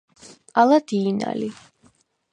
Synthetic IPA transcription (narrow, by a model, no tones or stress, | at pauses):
alad̪̥iːna̰li